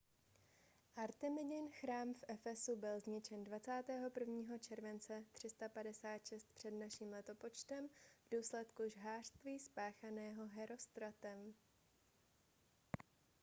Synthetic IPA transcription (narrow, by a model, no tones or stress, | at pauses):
ʔaɾt̪ɛmɪdɪnxɾaːmfʔɛfɛsubɪlzɲɪt͡ʃɛndvat͡saːt̪ɛːɦo̞pr̩vɲiːɦo̞t͡ʃɛɾvɛnt͡sɛt̪r̥ɪst̪apadɛsaːt̪ʃɛst̪̚pr̥ɛdnaʃiːmlɛt̪o̞po̞t͡ʃt̪ɛmvduːslɛt̪kuʒɦaːr̝̥st̪viːspaːxanɛːɦo̞ɦɛɾo̞st̪ɾat̪ɛm